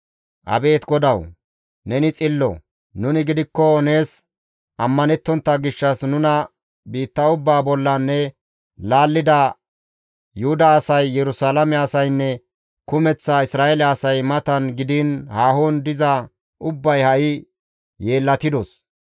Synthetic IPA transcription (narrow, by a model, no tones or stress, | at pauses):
ʔɐ̰be̞ːt̪ɡɔd̪ɐw | nɛnɪt͡sʼɪlːɔ̰ | nʊnɪɡɪd̪ɪkːɔne̞ːs | ʔɐmːɐnɛt̪ːɔnt̪ːɐɡɪʃːɐsnʊnɐ | biːt̪ːɐʊbːaːbɔlːɐnːɛ | laːlːɪd̪ɐ | jʊhʊd̪ɐːsɐjːɛɾʊsaːlɐmɛɐsɐjnːɛ | kʊmɛt͡sːaɪsɾaːelɛɐsɐjmɐt̪ɐnɡɪd̪ɪnhaːhɔnd̪ɪzɐ | ʔʊbːɐjhɐʔɪ | je̞ːlːɐt̪ɪd̪ɔs